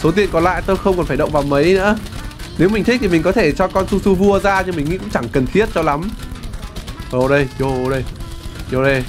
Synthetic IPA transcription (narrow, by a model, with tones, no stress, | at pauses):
so˨˦t̪i˨˩ənkɔ˨˩nla̰ː˧˨jt̪o˧jxə˧wŋ͡mkɔ˨˩nfa˧˩jɗə̰˧˨ŋ͡mvaː˨˩wmə˨˦jnɨ̰˧˥əne˨˦wmi̟˨˩t̪ʰi˦˥k̚t̪ʰi˨˩mi˨˩ŋ̟kɔ˨˦t̪ʰe˧˩t͡ɕɔ˧kɔ˧nsu˧su˧vu˧əzaː˧ɲɨ˧mï˨˩ŋ̟ŋḭ˧˦kṵ˧˥ŋ͡mt͡ɕa˧˩ŋkə˨˩nt̪ʰi˦˥ət̚t͡ɕɔ˧la˨˦m | ʔo˧˩ɗə˧jzo˧ʔɗə˧jjo˧˩ɗə˧j